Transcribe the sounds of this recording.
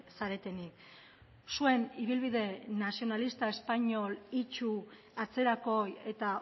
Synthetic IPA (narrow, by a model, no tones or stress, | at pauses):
saɾe̞t̪e̞nik | sue̞niβ̞ilβiðe̞nasio̞nalist̪ae̞spaɲo̞lit͡ʃu | at͡se̞ɾako̞je̞t̪a